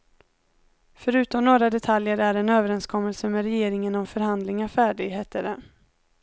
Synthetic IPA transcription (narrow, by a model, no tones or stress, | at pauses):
fœɾʉ̟ːt̪ɔmnoːɾad̪ɛt̪ʰaljəɾæɾɛnøːvəɾɛnskʰɔmːəlsəmɛɾɛjeːɾɪŋənɔmfœɾhand̪lɪŋafæːɖɪɡheːt̪əɾɛ